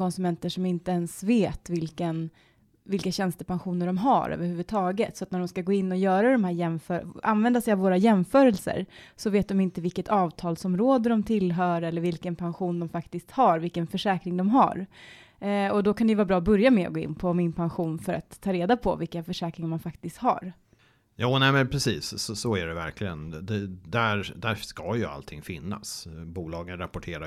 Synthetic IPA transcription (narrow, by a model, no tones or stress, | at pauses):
kɔnsɵmɛnt̪əʂɔmɪnt̪əɛnsveːt̪vɪlkən | vɪlkaɕɛnst̪əpanɧuːnəɖɔmɦa̰ɾø̰ːvəɾhʉ̟ːvət̪ʰɑːɡət̪sɔat̪næɖɔmskaɡoːɪnːɔjœːɾad̪ɔmhæːɾjɛmfœːa̰nvɛnd̪asɛjavoːɾajɛmfœːɾɛlsə̰ɾsɔveːt̪̚d̪ɔmɪnt̪əvɪlkːət̪ʰɑːvt̪ʰɑːlsɔmɾoːd̪əd̪ɔmt̪ʰɪlɦœːɾɛlːəɾvɪlkənpʰanɧuːnd̪ɔmfakt̪ɪskt̪haɾvɪlkːənfœʂɛːkɾɪŋd̪ɔmɦa̰ɾ | ɔd̪ɔkʰand̪ɛjʏvaːbɾɑːbɵɾjamɛɔ̰ɡoːɪ̰nːpʰɔmɪnpʰanɧuːnfœɾat̪ʰːɑːɾeːd̪apʰɔ̰vɪlkːənfœʂɛːkɾɪŋmanfakt̪ɪst̪ha̰ɾ | juːnɛɪmɛnpʰɾɛsiːsɔsɔæɖɛvæ̰ɾkʰlɪɡənd̪ɛd̪æɾd̪æɾskɑjɵa̰lt̪ʰɪŋfɪnːa̰sbuːlɑːɡənɾapɔʈʰeːɾa